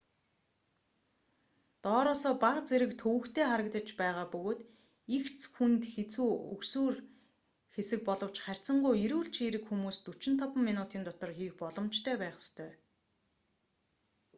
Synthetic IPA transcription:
t̪ɔːɾʊːsɔːpaqt͡seɾɘ̆kt̪ʰɵwɵ̆kt̪ʰeːχaɾə̆kt̪ə̆t͡ɕpæːʁaːpɵɣoːt̪ | ixt͡sxunt̪xet͡suːɵ̰ksuːr | xesɘ̆k̚pɔɮɞ̆w̥t͡ɕχær̥ʲt͡sə̆ɴɢujiɾuːɬt͡ɕʰiɾɘ̆kxumuːst̪ut͡ɕɪ̆nt̪ʰɔpə̆mːinʊːt̪iːnt̪ɔt̪ɞ̆rxiːxpɔɮɞ̆mt͡ɕt̪ʰœːpæːχə̥st̪ʰœː

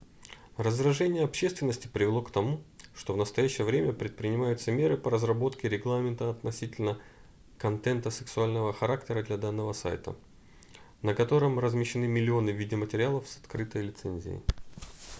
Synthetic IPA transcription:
rəzrɐʐɛnʲɪjəɐpɕːe̞st̪vɪnːəsʲtʲɪ̥pɾʲɪvʲɪlˠo̞kt̪ɐmuʂt̪o̞vnəst̪ɐjæɕːɪjəvɾʲemʲəpɾʲɪt̪̚pɾʲɪnʲɪmajʊt̪səmʲe̞ɾɨpəɾəzrɐbo̞t̪kʲɪɾʲɪɡlˠamʲɪnt̪əɐt̪nɐsʲitʲɪlʲnə | kɐnt̪ɛnt̪əsɨ̥ksʊalʲnəvəxɐɾaktʲɪɾəd̪lʲɐd̪anːəvəsa̰jt̪ə̰ | nəkɐt̪o̞ɾɨmrəzmʲɪɕːɪnɨmʲɪlʲɪo̞nɨvʲidʲɪmətʲɪɾʲɪalˠəfsɐ̥t̪kɾɨt̪əjlʲɪt̪sɛnʲzʲɪ̰ɪ̰

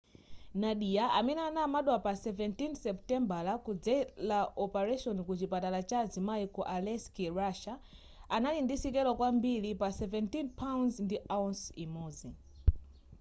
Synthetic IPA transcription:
naɗijaʔamɛnɛanamaɗwapasɛvɛntinsɛptɛmbalakud͡zɛlaʔɔpaɾaʃɔnikut͡ʃipatalat͡ʃad͡zimaikɔʔalɛskiɹaʃa | analindisikɛlɔkwambilipasɛvɛntinpʰawnzndiʔaunsimɔːzi

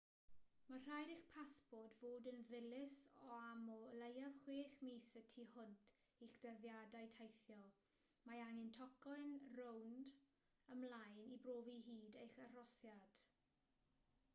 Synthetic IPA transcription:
mar̥ajɾɪχpʰaspɔdvoːdənðɪlɪsɔamɔlejavχweːχmiːsətʰihʊntʰ | iχd̥əðjadajtʰejθjɔ | maaŋɪntʰɔkɔjnrownd | əmlˠajnibroːviɦiːdejχar̥ɔsjad̥

